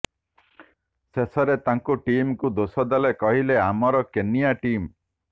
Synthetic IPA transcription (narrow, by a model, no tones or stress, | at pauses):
sesɔɾet̪aŋkuʈimkud̪osɔd̪alekɔɦileamɔɾɔkenijaʈim